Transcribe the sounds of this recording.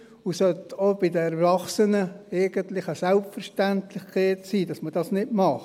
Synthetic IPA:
ʊsœtob̥ɪdəɛɾvɑχsənəɛɪɡ̥əntlɪχəsɛlpfəɾʃtæntlɪχkʰɛːtsiːd̥ɑsməd̥ɑsnɪdmɑχ

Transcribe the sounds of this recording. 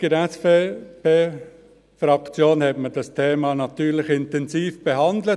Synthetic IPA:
ɡ̥əɾɛsfepeː | fɾɑkt͡sjoːnhɛtməd̥ɑstʰeːmɑnɑtyːɾlɪχɪntɛnsiːfb̥eɦɑnd̪lə

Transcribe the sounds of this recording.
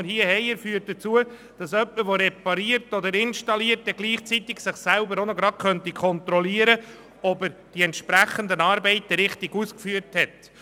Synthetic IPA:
əɾhiəhɛɪɪɾfyːəɾt̚d̥̪ət͡suə | d̥ɑsœpːəɾʋoɾɛpɑɾiəɾtɔd̪əɾɪnʃtɑliəɾt̚ːɛɡliːχt͡sit̪ɪksɪχsælbəɾonɔɡɾɑd̚kʰœntikʰɔnt̪ɾɔliəɾə | ɔbəɾd̥iɛntʃpɾæχənd̪ənɑːɾbɛɪt̪ːəɾɪχtiɡuskfyːəɾthɛt̪

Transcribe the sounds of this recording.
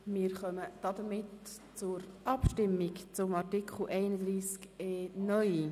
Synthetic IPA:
mɪːɾχœməd̥ɑd̪əmɪt | t͡sʊɾʔɑpʃtɪmːikt͡sʊmɑɾtikʰχl̩ʔɛɪnəd̪ɾiːskeːnœji

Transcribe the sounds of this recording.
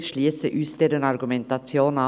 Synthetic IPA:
ʃliːsəʔʉːst̪ed̪ɛnɑɾɡʉmɛnt̪ɑsjoːnɑ

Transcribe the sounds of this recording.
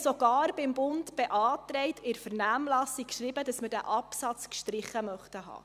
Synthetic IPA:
sɔɡ̥ɑːɾb̥ɪmbʊntb̥ɛʔɑːt̪ɾɛɪtʰɪɾfəɾnæːmlɑsikkʃɾibədɑsməd̥æʔɑpsɑt͡skʃtɾɪχːəmœχtəɦɑ̰ː

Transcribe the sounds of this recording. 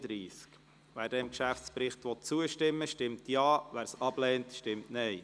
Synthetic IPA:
d̥ɾiːsk | ʋæːɾdɛɪmkʃæft͡spɾɪχt̪ʋɔt̚t͡suəʃtɪmːəʃtɪmtjɑːʋæːɾsɑb̥lɛːntʃtɪmtnɛɪ

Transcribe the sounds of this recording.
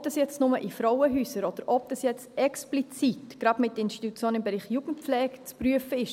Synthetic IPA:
d̥ɑsjɛt͡stnʊməʔifɾɔʊəɦyːsəɾɔd̥əɾʔɔb̚d̥ɑsjɛt͡stɛksplit͡sitɡ̥ɾɑbmɪtːəɪnst̪i̥tut͡sjoːnɪmbɛɾiːχjuːɡ̥n̩t̚pp͡flɛːkt͡spɾyəfəɪʃ

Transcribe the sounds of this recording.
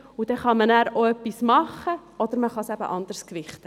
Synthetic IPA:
ud̥̪ɛχɑmənæːɾoœpːismɑχːəɔd̥̪əɾməχɑsæbə̰ʔɑnd̪əɾskʋɪχtə

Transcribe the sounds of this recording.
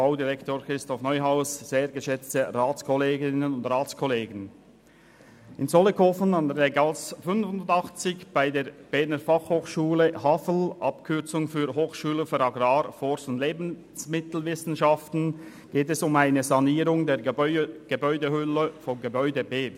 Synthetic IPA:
b̥aʊdiʁɛktoːɾkʁɪstɔfnɔʏɦaʊsz̥eːɾɡəʃɛt͡stəʁaːt͡skʰɔleːɡɪnənʊndʁaːt͡skʰɔleːɡən̩ | ɪnzɔləkʰofənɑndɾɛɡɑsfʏnvʊndɑχt͡sɪçb̥aɪdeːɐb̥ɛnəfɑχhoːχʃuːləhafəl̩ʔɑpkʰʏt͡sʊŋfyːɾɦoːχʃuːləfɔɾɑɡraːɾfɔɾsʊnd̥leːbn̩ | smɪtl̩vɪsn̩ʃɑftn̩ | ɡ̥eːtɛsʊmaɪnəzɑniːɾʊŋdeːɾɡ̥əbɔʏdəhʏləfɔnɡəbɔʏdəbeː

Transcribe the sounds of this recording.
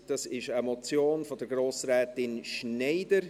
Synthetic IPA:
d̥ɑsɪʃəmɔt͡sjoːnfɔdəɡroːsrɛːtɪnʃnɛɪdəɾ

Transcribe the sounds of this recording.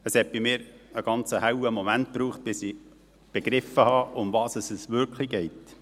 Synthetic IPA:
əshɛt̪̚b̥ɪmɪːɾəɡ̥ɑnt͡səhæwəmɔmænt̚pɾuːχt̚b̥ɪsi | b̥eɡ̥ɾɪfəhɑʔʊmvɑːsəsəsʋʏɾkʰliɡɛɪt

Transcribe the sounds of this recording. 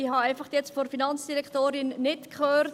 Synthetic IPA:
ihɑɛɪfɑχtjɛt͡stfoɾfinɑnt͡sd̥iɾɛkχtoːɾɪnːɪtkχøːɾt

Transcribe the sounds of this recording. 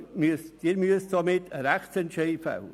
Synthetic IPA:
mysd̥iɾmyəsd̥omɪtʰəɾɛχt͡sɛntʃeɪfa̰ʊə

